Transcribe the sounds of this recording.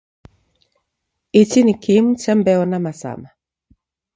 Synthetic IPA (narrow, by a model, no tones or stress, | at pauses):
it͡ʃinikʰimt͡ʃɛmbɛɔnamasa̰ma